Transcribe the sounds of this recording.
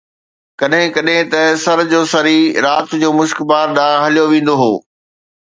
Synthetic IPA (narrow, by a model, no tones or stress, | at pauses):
kɐɗɦɪ̃kɐɗɦɪ̃t̪ɐsɐɾd͡ʑoːsɐɾiɾaːt̪ʊd͡ʑoːmʊʃkbaːɾɗãːɦɐlijoʋẽːnd̪oɦoː